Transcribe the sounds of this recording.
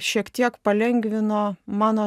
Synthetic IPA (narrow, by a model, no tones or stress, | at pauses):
ʃʲiɛkt̪ʲiɛkpɐlʲɛŋʲɡʋʲɪnoːmɑːnoː